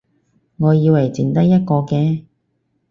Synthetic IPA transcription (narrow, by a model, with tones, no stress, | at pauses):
ŋɔː˨˧jiː˧wlɐ˨˩jt͡siː˨˧nt̪ɐ˥jɐ˥t̚kɔː˧kɛː˧